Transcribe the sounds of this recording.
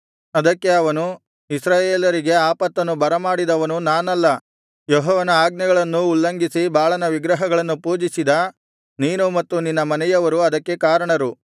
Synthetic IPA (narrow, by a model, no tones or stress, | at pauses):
ɐd̪ɐkːe̞ɐʋɐnu | isɾaːjeːlɐɾiɡe̞aːpɐt̪ːɐnːubɐɾɐmaːɽid̪ɐʋɐnunaːnɐlːɐ | jɔɦɔːʋɐnɐaːɡ̚nɐɡɐɭɐnːuːlːɐŋɡisibaːɭɐnɐʋiɡɾɐɦɐɡɐɭɐnːupuːd͡ʒisid̪ɐ | niːnumɐt̪ːuninːɐmɐnɛjɐʋɐɾuɐd̪ɐkːe̞kaːɾɐɳɐɾu